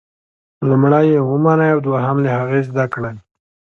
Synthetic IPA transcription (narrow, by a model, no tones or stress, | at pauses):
lumɽajewəmanajawd̪waɦamlehaɣezd̪akɽaj